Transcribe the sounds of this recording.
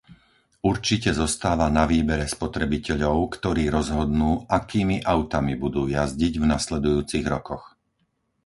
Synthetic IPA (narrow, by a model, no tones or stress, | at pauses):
uɾt͡ʃicɛzɔst̪aːʋanaʋiːbɛɾɛspɔt̪ɾɛbicɛʎɔʊkt̪ɔɾiːɾɔzɦɔd̪nuːakiːmiʔaʊt̪amibud̪uːjazɟiɟvnaslɛd̪ujuːt͡siɣɾɔkɔx